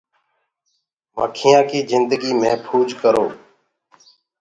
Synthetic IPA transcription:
mə̰ːkʰɪjãːkiːzɪnd̪əɡiːmẽːpʰuːd͡ʒkəɾo̰ː

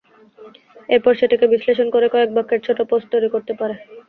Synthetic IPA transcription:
eɾpɔɾʃeʈikebisleʃonkoɾekɔek̚bakːeɾt͡ɕʰoʈoposʈt̪ojɾikoɾt̪epaɾe

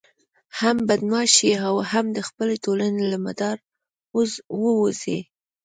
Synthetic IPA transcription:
hambad̪nɑʃiawhamd̪əxpəletolanelama̰d̪ɑɾ | oswəwozḛ

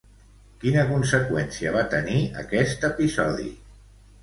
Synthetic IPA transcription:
kinəkunsəkwɛnsiəβ̞at̪əniə̰kɛst̪əpizɔðḭ

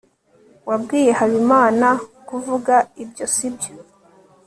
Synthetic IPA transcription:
wabɡiːje̞haβimaːnakuvuɡaibjo̞sibjo

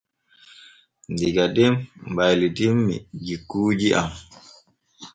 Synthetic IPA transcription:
ndiɡadɛmbajlitimːḭd͡ʒikːuːd͡ʒiʔa̰m

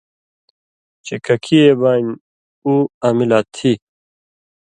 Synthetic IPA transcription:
t͡ɕekʰɐkʰiebaːn | uaːmilaːt̪ʰi

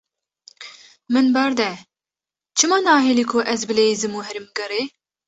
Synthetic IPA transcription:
mɨnbɛɾd̪ɛ | t͡ʃʰɨmɑːnɑːɦeliːkʰʊʔɛzbɨleːizɨmuɦɛɾimɡɐɾeː

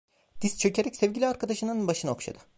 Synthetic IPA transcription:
d̪̥ist͡ʃʰø̞cʰe̞ɾɛcʲsɛvʲɟʲilʲiaɾkʰad̪aʃɯnanɯnbaʃɯnao̰kʃa̰d̪ɯ̥

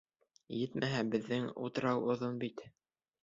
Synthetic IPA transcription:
jɘt̪mæɦæbɘ̆ðːɘŋṵt̪ɤ̆ɾɑwŏðonbit̪

